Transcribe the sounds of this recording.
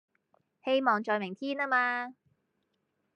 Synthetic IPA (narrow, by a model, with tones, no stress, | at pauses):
he˥jmɔː˨˧ŋt͡ʃɔː˧jmɪ˨˩ŋt̪ʰiː˥naː˥maː˧